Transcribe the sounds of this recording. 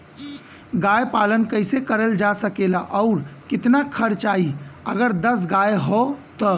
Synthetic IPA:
ɡajpalənkəjsekəɾəld͡ʒasəkelaʔɔʊɾkit̪nakʰəɾt͡ʃaiəɡəɾd̪əs̬ɡaeɦot̪ɔ

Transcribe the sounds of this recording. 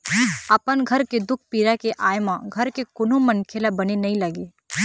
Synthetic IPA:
ɐpənɡʱɐɾked̪ʊkʰpiːɾakeʔaːjmãɡʱɐɾkekʊnomɐ̃nkʰelabɐnenɐɦĩlɐɡeː

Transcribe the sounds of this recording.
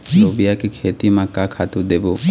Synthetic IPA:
ɾobijakekʰet̪imãkakʰat̪ud̪ebo

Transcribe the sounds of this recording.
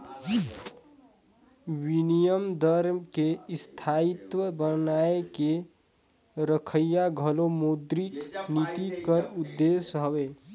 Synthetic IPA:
winijəmd̪əɾmkest̪ʰait̪wəbənaeke | ɾəkʰəjːaɡʱəlomod̪ɾiknit̪ikəɾʊd̪ːesɦəwe

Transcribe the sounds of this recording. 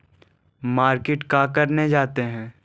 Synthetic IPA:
maːɾkeʈkakɐɾned͡ʒaːt̪eɦɛ̃ː

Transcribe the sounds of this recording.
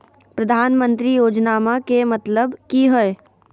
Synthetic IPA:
pɾɐd̪ʱaːnmə̃nt̪ɾijoːd͡ʒnaːmakemɐt̪ləbkiɦoe

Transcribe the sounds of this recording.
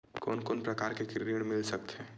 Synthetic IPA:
koːnkoːnpɾɐkaːɾkekɾɾiɽmɪlsɐk̚t̪ɦɛ̃ː

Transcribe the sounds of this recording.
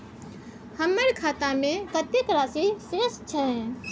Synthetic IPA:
həmːəɾkʰat̪amekət̪ekɾasisest͡ʃʰɛ

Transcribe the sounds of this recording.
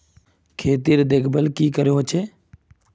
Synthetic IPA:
kʰeːt̪iːɾd̪eːkʰbəlkiːkəɾjoːɦt͡ʃʰeː

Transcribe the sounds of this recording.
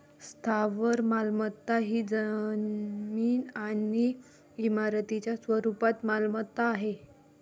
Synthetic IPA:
st̪ʰaʋəɾmalmət̪ːaɦiːd͡zə | miːnani | imaɾt̪it͡ɕjasʋəɾupat̪malmət̪ːaːɦe

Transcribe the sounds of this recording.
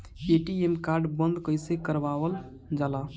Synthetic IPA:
eːʈiemkaːɾɖbə̃nd̪kəɪsekəɾʋaːwəl | d͡ʒaːla

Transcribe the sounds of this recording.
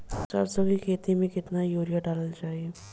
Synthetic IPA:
sɐ̰ɾsəɡikʰeːt̪imẽkɪt̪najoːɾijaɖaːləld͡ʒaːie

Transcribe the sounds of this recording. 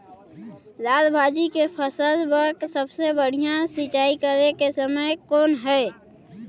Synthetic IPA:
laːlbʱaːd͡ʒikepʰəsəlbəksəbsebəɽ̤ijãsit͡ʃaːikəɾekesəməjkoːnɦɛe

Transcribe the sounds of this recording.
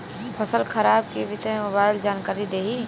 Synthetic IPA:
pʰɐsəlkʰɐɾaːbkebɪsemobaːɪld͡ʒaːnkaːɾid̪eːɦiː

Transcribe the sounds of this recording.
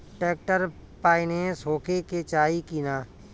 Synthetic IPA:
ʈeːk̚ʈəɾ | paːinesoːkeket͡ʃaːikiːnaː

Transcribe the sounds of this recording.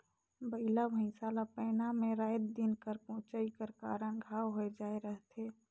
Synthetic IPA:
bəɪlabʱə̃ɪ̃saːlapɛːnamẽɾaːjt̪̚d̪inkəɾpɔ̃ːt͡ʃaikəɾkaːɾə̃ɡʱaːwɦoed͡ʒaːeɾəɦt̪ʰeː

